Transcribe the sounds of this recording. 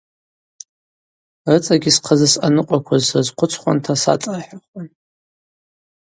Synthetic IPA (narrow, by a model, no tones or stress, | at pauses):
rɨt͡sʼaɡʲisqʰazasanɨqʷʼakʷʰazazqʷʰʊt͡sʰχʷa̰ntʰasa̰t͡sʼaħaχʷan